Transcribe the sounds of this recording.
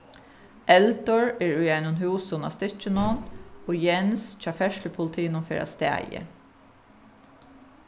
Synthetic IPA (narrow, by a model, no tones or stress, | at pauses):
ɛlt̪ɔɹɛːɹʊjaɪnʊnɦuːsʊna̰st̪ɪt͡ʃɪnɔnoːjɛnst͡ʃʰɑːfɛʃləpʰʊlt̪ʰiːnʊnfeːɾʔa̰st̪æ̰ːjə̰